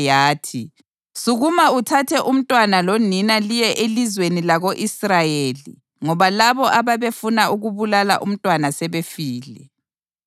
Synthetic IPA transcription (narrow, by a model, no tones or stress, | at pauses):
jaːtʰi | suɣumautʰatʰɛʔum̩tʼwanaloninalijɛʔelizwenilaɣoʔisrajelḭ | ŋɔβalaβɔʔaβaβefunauɣuβulala̰ʔum̩tʼwanasɛβefiːlɛ